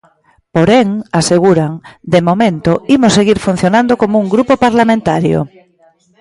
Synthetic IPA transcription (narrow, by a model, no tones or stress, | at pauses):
poɾeŋaseɣ̞uɾaŋd̪emomẽnt̪oimoseɣiɾfun̟θjonãnd̪okomouŋɡɾupopaɾlamẽnt̪aɾjo̰